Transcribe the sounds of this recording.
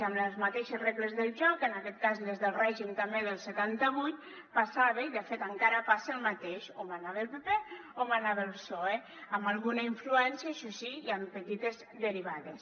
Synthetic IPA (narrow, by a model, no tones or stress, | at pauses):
əmləzmat̪eʃezreɣlezðəlˠʒɔkənakɛt̪̚kazlezðəlˠrɛʒimt̪ambeðəlˠset̪ant̪əβuj̪ | pasaβeiðəfet̪aŋkaɾəpaseːlˠmat̪eʃomanaβelˠpepe | omanaβelˠsɔe | əmbalˠɣunaiɱfluɛnsjaʃɔsiiampət̪it̪ez | d̪əɾiβaðes